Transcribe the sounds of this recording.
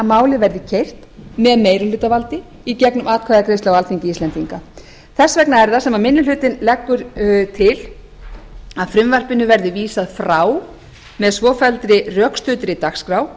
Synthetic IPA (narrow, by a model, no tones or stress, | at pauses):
maːwlɪvɛɾðɪcʰejr̥t̪mɛðmeːjɾʏlʏːt̪avalt̪ɪ | icɛknʏmaːðkʰaðakɾejst̪awalt̪iɲcɪist̪ɛnt̪iŋka | θɛsvɛknaɛɾðasɛmamɪnːʏlʏt̪ɪnlɛkːʏɾt̪ʰɪl | aðfɾʏmvar̥pɪnːʏvɛɾðɪviːsaðfɾaːw | mɛðsvɔːfɛlt̪ɾɪrjœkst̪ʏːt̪ɾɪt̪axskɾaw